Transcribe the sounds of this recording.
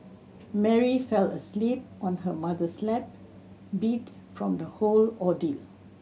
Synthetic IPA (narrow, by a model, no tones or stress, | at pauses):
mɛɹifɛlə̰slip̚ɔ̃nɦəmadəslɛp̚ | bit | fɹɔ̃md̪əholɔdil